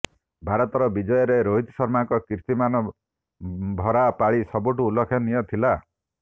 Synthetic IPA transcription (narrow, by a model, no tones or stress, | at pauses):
bʱaɾɔt̪ɔɾɔbid͡ʒɔjɔɾeɾoɦit̪sɔɾmaŋkɔkiɾt̪imanɔ | bʱɔɾapaɭisɔbuʈuːlɔkʰjɔnijɔt̪ʰila